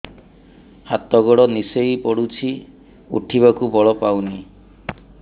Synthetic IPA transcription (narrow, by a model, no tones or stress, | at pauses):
hat̪ɔɡɔɽɔnisejpɔɽut͡ʃʰi | ṵʈʰibakubɔɭɔpawni